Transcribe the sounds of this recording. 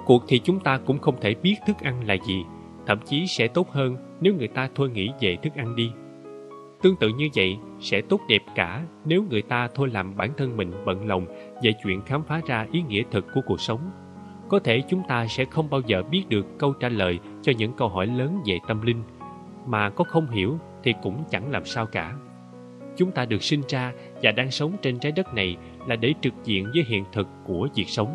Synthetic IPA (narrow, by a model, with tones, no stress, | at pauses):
ku˨˩ək̚t̪ʰi˨˩t͡ɕʊ˨˦ŋ͡mt̪aː˧kʊ̰˧˥ŋ͡mxə˧wŋ͡mt̪ʰe˧˩ɓi˦˥ət̚t̪ʰɨ˦˥k̚ʔa˧jŋ̟la̰ː˨˩zi˨˩ | t̪ʰə̰˧˩˨mt͡ɕi˨˦sɛ̰˧˥t̪o˦˥t̚həː˧n | ne˨˦wŋɨ˨˩əjt̪aː˧t̪ʰo˧jŋḭ˧˥ve˨˩t̪ʰɨ˦˥k̚ʔa˧jŋ̟ɗi˧ | t̪ɨ˧əŋt̪ɨ̰˧˨ɲɨ˧və̰˧˨j | sɛ̰˧˥t̪o˦˥t̚ɗɛ˨˩p̚kaː˧˩ne˨˦wŋɨ˨˩əjt̪aː˧t̪ʰo˧jlaː˨˩mɓaː˧˩nt̪ʰə˧nmï˨˩ŋ̟ɓə̰˧˨nlə˨˩wŋ͡m | vḛ˧˨˩t͡ɕwḭ˧˨ənxaː˨˦mfaː˨˦zaː˧ʔi˨˦ŋḭ˧˥ət̪ʰɨ˨˩kːu˧˩əku˨˩ək̚sə˨˦wŋ͡m | kɔ˨˦t̪ʰe˧˩t͡ɕʊ˨˦ŋ͡mt̪aː˧sɛ̰˧˥xə˧wŋ͡mɓaː˧wzəː˨˩ɓi˦˥ət̚ɗɨ˨˩əkːə˧wt͡ɕaː˧˩ləː˨˩j | t͡ɕɔ˧ɲɨ̰˧˥ŋkə˧wɦɔ˧˩jləː˨˦nve˨˩t̪ə˧mlï˧ŋ̟ | maː˨˩kɔ˨˦xə˧wŋ͡mɦi˧˩əwt̪ʰi˨˩kʊ̰˧˥ŋ͡mt͡ɕa̰˧˩ŋlaː˨˩msaː˧wkaː˧˩ | t͡ɕʊ˨˦ŋ͡mt̪aː˧ɗɨ˨˩ək̚si˧ŋ̟zaː˧ | vaː˨˩ɗaː˧ŋsə˨˦wŋ͡mt͡ɕe˧nt͡ɕaː˨˦jɗə˦˥t̚na˨˩j | laː˨˩ɗe˧˩t͡ɕɨ˨˩k̚zḭ˧˨ənzəː˨˦jɦḭ˧˨ənt̪ʰɨ˨˩kːu˧˩əzi˨˩ək̚sə˨˦wŋ͡m